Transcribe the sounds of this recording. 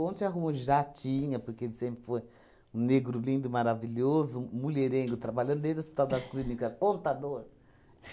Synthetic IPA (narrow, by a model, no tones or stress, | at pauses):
õnt̪ɪ̃aɦũmɐʒat͡ʃĩɲɐpoɾkeelɪsẽmpɾɪfoj | ũneɡɾʊlĩnd̪ʊɪmaɾavilozʊmuʎeɾẽɡʊt̪ɾabalɐ̃nd̪ʊd̪ẽd̪ospi̥t̪awd̪ɐsklinikɐkõnt̪ad̪oɾ